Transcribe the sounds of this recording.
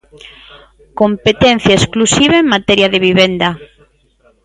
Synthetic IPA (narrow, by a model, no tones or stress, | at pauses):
kompet̪en̟θjaesklusiβaeŋmat̪ɛɾjaðeβiβend̪a